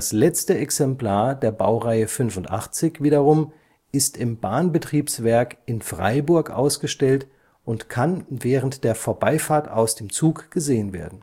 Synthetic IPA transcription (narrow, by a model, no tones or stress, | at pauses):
aslɛt͡stəʔɛksɛmpl̥aːɐdeːɐba̰ʊʁaɪəfʏnfʊntʔa̰χt͡sɪçv̥iːɾɐʁʊm | ʔɪstɪmbaːnbətʁ̥iːpsv̥ɛɐkɪnfʁ̥a̰ɪbʊɐkʔa̰ʊsɡ̥əʃtɛlt | ʔʊntkʰanvɛːʁəntd̥eːɐfoːɐbaɪfaːɐta̰ʊsd̥eːmt͡suːkɡ̥əzeːənvḛːɐdn̩